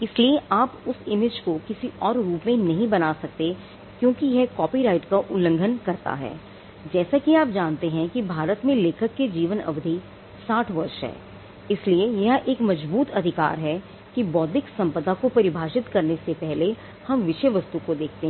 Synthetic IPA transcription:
ɪslieʔaːpʊsɪmɪd͡ʒkokɪsiʔɔːɾːuːpmẽnɐɦĩbɐnasɐk̚t̪e | kjõːkijɛɦkɔːpiɾaːɪʈkaʔʊlə̃ŋɡʱənkɐɾt̪a̰ɦɛ̰ː | d͡ʒɛːsakiaːp̚d͡ʒaːnt̪eɦɛ̃kibʱaːɾət̪mẽleːkʰəkːed͡ʒiːʋənɐ̰ʋd̪ʱi | saːʈʰʋɐɾʃɦɛ̰ː | ɪsliejɐɦʔeːkmɐd͡ʒbuːt̪ɐd̪ʱɪka̰ːɾɦɛ | kibɔːd̪ɪksɐ̃mpəd̪akopɐɾɪbʱaːʃɪt̪kɐɾnesepɛɦle | hɐmʋɪʃeʋɐst̪ukod̪eːkʰt̪eɦ

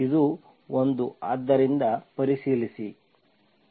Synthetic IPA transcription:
id̪u | ond̪uaːd̪ːɐɾind̪ɐpɐɾisiːlisi

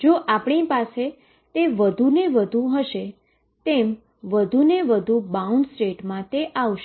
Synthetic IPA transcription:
d͡ʒoʔapɳ̃ipase | t̪eʋəd̪ʱuneʋəd̪ʱũɦəʃe | t̪em | ʋəd̪ʱuneʋəd̪ʱubauɳɖsʈeʈmãt̪eʔaʋʃ

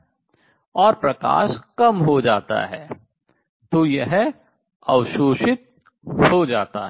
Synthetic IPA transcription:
ɔːɾpɾɐka̰ːʃkɐmɦod͡ʒaːt̪a̰ɦɛ̰ː | t̪ojɐɦɛ | ɐwʃuːʃɪt̪̚ | hod͡ʒaːt̪a̰ɦɛ

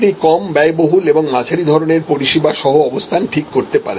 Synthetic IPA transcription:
nikɔmbɛeboɦuleboŋmat͡ɕʰaɾid̪ʱɔɾoneɾpoɾiʃibaʃɔɦoɔbost̪ʰanʈʰikːoɾt̪epa̰ɾe

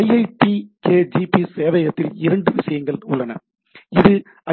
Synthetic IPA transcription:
ɐjɐɪpikeːd͡ʒipiseːʋɐjɐt̪ːɪlɪɾɐɳɖɯʋɪsɐjɐŋɡɐɭʊɭːɐnɐ̰ | ɪðɯ | ɐ

